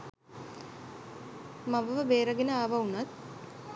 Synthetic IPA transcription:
maʋəʋəbeːɾəɡenəaːʋaunat̪̚

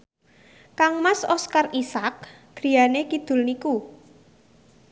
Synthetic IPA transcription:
kaŋmasɔskarisak̚ | ɡ̥ɾi̤janekid̪̥ʊ̤lniku

